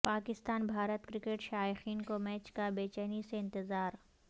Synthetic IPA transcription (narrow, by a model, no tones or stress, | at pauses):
paːkɪst̪aːnbʱaːɾət̪kɾɪkeːʈʃaːɪxiːnkomɛːt͡ʃkabeːt͡ʃɛniseɪ̃nt̪ɪzaːɾ